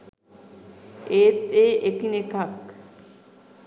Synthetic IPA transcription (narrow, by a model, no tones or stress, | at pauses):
eːt̪ːeːʔekinekak